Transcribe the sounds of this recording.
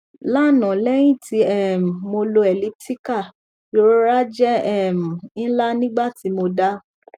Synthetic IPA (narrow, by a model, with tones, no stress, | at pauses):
la˦˨nɔ̃˨lɛ˦j̃ĩ˦˨ti˨˧˦ɛ˦˨m̩˨mo˧lo˧ɛ˨li˨˦p̚ti˦ka˦˨ | jo˨˦ɾa˦d͡ʒɛ˦ɛ˦˨m̩˨ĩ˦la˦nĩ˦ɡ͡ba˦˨ti˨˦mo˧da˦